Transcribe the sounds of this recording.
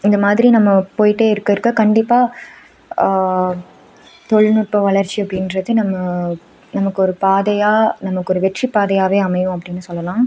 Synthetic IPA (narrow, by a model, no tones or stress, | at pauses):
ɪnd̪ɐmaːðɪɾinɐmːɐpoːjɪʈːeːɪɾɯkːɐɾɯkːɐkɐɳɖɪpːaː | t̪ɔɭnʊʈ̚pɐʋɐɭɐɾt͡ʃːiɐpːɐɽɪnɾɐðɯnɐmːɐ | nɐmɐkːɯɔɾɯpaːðɐjaːnɐmɐkːɔɾɯʋɛʈripːaːðɐjaːʋeːɐmɐjʊ̃ɐp̬ːɐɽɪnːɯsɔlːɐlãː